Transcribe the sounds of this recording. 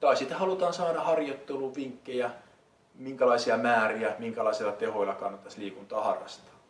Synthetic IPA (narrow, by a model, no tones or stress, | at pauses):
t̪ɑisit̪æhɑlut̪ɑːnsɑːɾɑhɑrjot̪ːeluʋʋiŋkːejæ | miŋkælɑisiɑmæːriæmiŋkælɑisilɑt̪ehoilːˑɑkɑnːɑt̪ːɑsliːkunt̪ɑːhɑ̰rːɑ̰st̪ɑ̥ː